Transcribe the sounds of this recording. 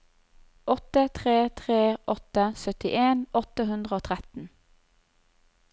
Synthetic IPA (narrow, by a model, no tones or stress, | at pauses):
ʔɔt̪ət̪ʰʁeːt̪ʰʁeːʔɔt̪əsœt̪ɪʔeːnʔɔt̪əɦʉnd̪ʁəoːt̪ʰʁɛt̪n̩